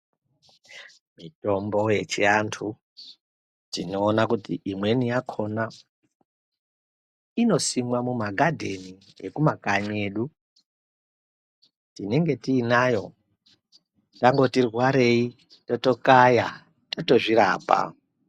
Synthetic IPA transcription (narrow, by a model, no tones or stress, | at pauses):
mito̞mbo̞je̞t͡ʃiantʰu | d͡zino̞ːnakutiʔimwe̞nijakʰo̞na | ino̞simwamumaɡʱadʱe̞ni | ḛkumakaɲe̞ːɗu | tineŋɡe̞tiːnajo̞ | taŋɡo̞tirwaɾe̞i | toto̞kaja | toto̞ʐiɾa̰ːpa̰